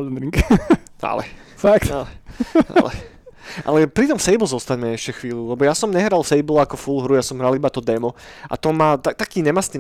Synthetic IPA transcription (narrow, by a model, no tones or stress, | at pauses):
nɾiŋk | ʔa̰lɛ̰ | fakt̪alɛa̰lɛ | ʔa̰lɛpɾit̪ɔmsɛjbl̩ˠzɔst̪aɲmɛɛʃcɛxʋiːlulɛbɔjasɔmɲɛɦɾalˠsɛjbl̩akɔfulɦɾujasɔmɦɾalibat̪ɔd̪ɛmɔʔa̰t̪ɔmaːt̪at̪akiːɲɛmasi